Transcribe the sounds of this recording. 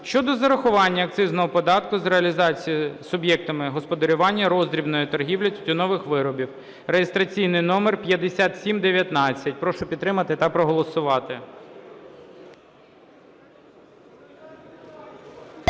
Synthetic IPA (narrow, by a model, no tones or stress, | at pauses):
ʃt͡ʃɔd̪ɔzɐɾɐxʊʋɑnʲːɐːk̚t̪sɪznɔɦɔpɔd̪ɑt̪kʊzɾeɐlʲizɑt͡sʲijisʊbjɛk̚t̪ɔmɪɦɔspɔd̪ɐɾʲʊʋɑnʲːɐɾɔzd̪ɾʲibnɔjit̪ɔrɦʲiwlʲɐt̪ʲtʲʊnɔʋɪxʋɪɾɔbʲiw | rejest̪ɾɐt͡sʲijnɪjnɔmerpʲjɐd̪esʲat̪sʲimd̪eʋʲjɐt̪nɑt͡sʲːɐt̚ʲpɾɔʃʊpʲid̪ɾɪmɐt̪ɪt̪ɐpɾɔɦɔlˠɔsʊʋɑt̪ɪ